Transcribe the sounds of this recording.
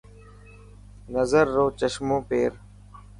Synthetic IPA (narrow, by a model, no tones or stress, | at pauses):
nəzəɾːoːt͡ʃəʃmõːpeːɾ